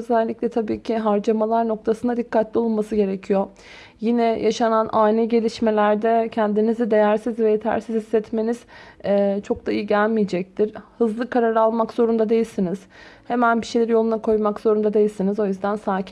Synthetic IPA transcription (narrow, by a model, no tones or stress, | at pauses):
øzælʲːiclʲɛt̪ʰabiːcʰiɦaɾd͡ʒamalˠaɾno̞k̚t̪ʰasɯnad̪ikʰːat̪lʲio̞lˠunmasɯɟe̞ɾecʰijo | jinɛjʔaʃananaːnɛɟe̞lʲiʃme̞lʲæɾd̪ɛcʰɛnd̪inizid̪e̞jæɾsizvɛjet̪ʰæ̰ɾsizhisːɛt̪me̞niz̥ɛːt͡ʃʰo̞k̚d̪aijiɟælʲmijed͡ʒɛc̚t̪ʰiɾhɯzlˠɯkʰaɾaɾalˠmakzo̞ɾund̪ad̪ejilʲsiniz̥ | he̞mænbiʃejlʲɛɾijo̞lˠunakʰo̞jmakz̥o̞ɾund̪ad̪e̞jilʲsinizo̞jyzd̪ænsaːcʰ